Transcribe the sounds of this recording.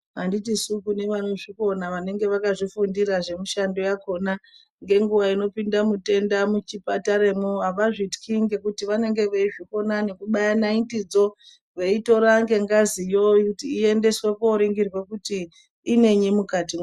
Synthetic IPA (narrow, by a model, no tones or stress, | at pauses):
ɦanditisukune̞ʋaneʐiko̞naʋane̞ŋɡe̞ʋakaʐifundiɾaʐe̞muʃando̞jako̞na | ŋɡe̞ŋɡuʋaino̞pindamute̞ndamut͡ʃipataɾemoɦaʋaʐitkʰiŋɡe̞kutiʋane̞ŋɡe̞ʋeiʐiko̞nane̞kuɓajanaintid͡zo̞ | ʋe̞ito̞ɾaŋɡe̞ŋɡazijoikutiːe̞nde̞swekoɾiŋɡirwe̞kutiː | ne̞ɲimukati